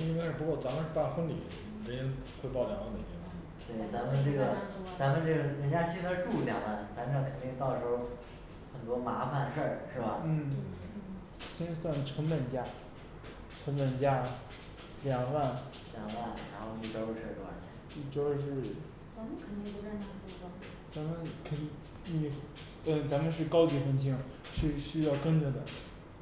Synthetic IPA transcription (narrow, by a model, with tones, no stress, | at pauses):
i˥ŋka˥ɪʂɻ̩˥˩pu˧˥kwɔ˥˩t͡sa˧˥mə˧nʂɻ̩˥˩pa˥˧nxə˥nlḭ˨˩˨ | ʈ͡ʂə˧˥ɛ˥n | xʰwe˥˧t̪ɑ˥˩ʊljɑ˨˩ŋwa˥˩nd̪ə˩t̪ʰi˧˥f | t̪we˥˩ɪt͡sa˧˥mə˧nʈ͡ʂɤ˥˩ɡə˩t͡sa˧˥mə˨˧nʈ͡ʂɤ˥˩ɡə˩ɻə˧˥nt͡ɕja˥ɕi˥nd̪ə˧˥ʈ͡ʂu˥˩ljɑ̰˨˩ŋwa˥˩n˩t͡sa˧˥m˧ʈ͡ʂʰɑ˥˩kʰə˨˩nt̪i˥˧ŋt̪ɑ˥˩ʊʂ̩˧˥o˥ | xə˨˩nt̪wɔ˥ma˧˥fa˧nʂə˥˩ʂɻ̩˥˩bɐ˩n̩˥˩ | ɕi˥nswa˥˩nʈ͡ʂʰə˧˥npə˨˩nt͡ɕja˥ | ʈ͡ʂʰɤ˧˥ŋpə˨˩nt͡ɕja˥ | ljɑ˨˩ŋwa˥˩n | ljɑ˨˩ŋwa˥˩nɻa˧˥nxo˥˧ʊi˥˩ʈ͡ʂo˥ʊʂɻə˥˩kə˧˥wa̰˥˧˩nʰi˧˥ | i˥˩ʈ͡ʂo˥ʊʂ̬ɻ̩˥˩ | t͡sa˧˥mə˨˧kʰə˨˩nt̪i˥˧ŋpu˧˥t͡sa˥˧na˥˩ʈ͡ʂu˥˩˧ʈ͡ʂo˥˩t͡sa˧˥mə˨nkʰə˨˩n | ni˨˧˩ | ə˥˩t͡sa˧˥mə˨˧nʂ̬ɻ̩˥˩kɑ˥ʊt͡ɕi˧˥xə˧˥˩nt͡ɕ̬ʰi˧˥ŋ | ʂɻ̩˥˩ɕy˥jɑ˥˩ʊkə˥nʈ͡ʂə˨˩d̪ə˩